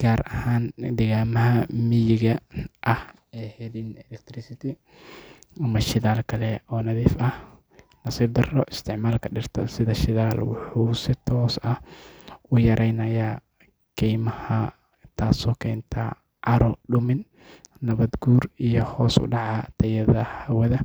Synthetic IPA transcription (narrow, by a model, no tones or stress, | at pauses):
ɡ̥aːɾʔɐhaːnd̪ɛɣaːmɐɦɐmɪjɪɣɐʔɐh | ɛhɛðinɛlɛk̚t̪ɾɪsɪt̪ʰɪ | ɐmɐʃɪðaːlkʰɐlɛɔːnɐðiːfɐh | nɐsiːb̚d̪ɐrɔʔɪst̪ʰɪʕmaːlkʰɐɖɪrt̪ʰɐsɪðɐʃɪðaːlwʊħuːsɪt̪ʰɔːsɐhʊjɐɾʔɛjnɐjɐ | kʰɛjmɐhɐ | t̪ʰaːsɔːkʰɛːnt̪ʰɐ̰ | ʕɑɾɔɖʊmɪn | nɐβɐd̪ɡuːrijɔhɔːsʊ̰ɖɑʕɑt̪ʰɐjɐðɐhɐwɐðɐ